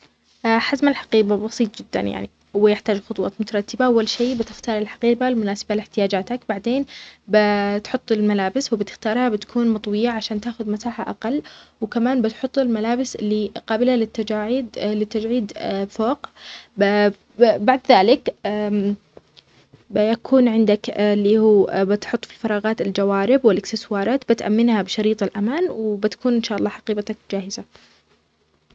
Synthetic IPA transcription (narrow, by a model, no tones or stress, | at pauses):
ʔaħazmalħḁqiːbabɑsˤiːt̪ˤd͡ʒɪd̪ːa̰nja̰ʕnḭ | wɪjɪħt̪aːd͡ʒxʊt̪ˤwɑ̰ːt̪mʊt̪ɑɾˤɑt̪ːɪbaʔawːalʃiːbɪt̪ɪxt̪ɑːɾˤɪlħḁqiːbalmʊnaːsḁbalɪħt̪ɪjaːd͡ʒaːt̪akbaʕd̪eːnbɪt̪ħʊt̪ˤːɪlmalaːbɪswɪbɪt̪ɪ̥xt̪ɑːɾˤhabɪt̪ḁkʰuːnmɑt̪ˤwɪjaʕaʃaːnt̪aːxʊðmat̪aːħa̰ʔaqɑlːwkamaːnbɪt̪ħʊt̪ˤːɪlmalaːbɪsɪlːiqɑːbɪlalɪt̪ːad͡ʒaːʕid̪lɪt̪ːad͡ʒʕiːd̪foːq | baʕd̪ðaːlɪkː | bɪjakʰuːnʕɪnd̪aklːiːhuːbɪt̪ħʊt̪ˤːfi̥fɑɾˤɑːɣɑːt̪ɪld͡ʒawaːɾɪbwɪlʔɪkst̪ɪswɑːɾˤɑːt̪bɪt̪ʔa̰mːɪnhabɪʃɑɾiːt̪ˤɪlʔamaːnwbɪt̪ḁkuːnʔɪnʃaːʔɑlˤːɑːħɑqiːbat̪akd͡ʒaːhɪza